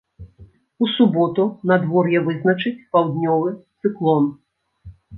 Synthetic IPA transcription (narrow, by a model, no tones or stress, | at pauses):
usubɔt̪unad̪vɔrjɛvɨznɐt͡ʂɨt͡sʲpawd̪nʲɔvɨt̪sɨklˠɔn